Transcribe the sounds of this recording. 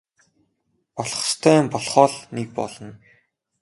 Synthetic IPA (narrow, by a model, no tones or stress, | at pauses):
pɔɮχ̆st̪ʰæːmpɔɮχɔːɮnek̚pɔ̰ɮɞ̆n